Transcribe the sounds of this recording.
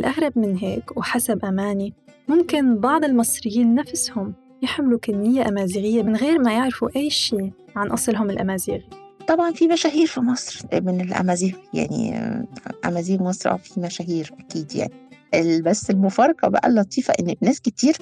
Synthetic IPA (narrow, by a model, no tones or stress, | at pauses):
ʔɪlʔaɣɾˤɑb̚mɪnɦeːkwħasabʔamaːnimʊmkɪnbɑʕd̪ˤɪlmɑsˤɾɪjːiːnːafshʊm | jɪħmɪlukɪnːɪjːaʔamaːziːɣɪjːamɪnɣeːɾmajɪʕɾfuʔajːʃiː | ʕanʔɑsˤlɦʊmɪlʔa̰maːziːɣit̪ˤɑbʕɑnfimæʃæːɦiːɾfimɑsˤɾmɪnelʔæ̰mæːziːɣja̰ʕnḭ | ʔæ̰mæːziːɣmɑsˤɾˤʔæ̰wfimæʃæːhiːɾʔækiːd̪ja̰ʕniʔelbæsːelmʊfɑːɾˤɑqɑbæ̰ʔæ̰lːɑt̪ˤiːfɑʔɪnːnæːskɪt̪iːɾ